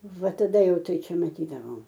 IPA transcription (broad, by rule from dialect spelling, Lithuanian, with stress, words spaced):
ˈʋɐ tɐˈdɐ ˈjɛʊ ˈtɐɪ ˈt͡ʃʲɛ mɐˈtʲiːdɐʋoːm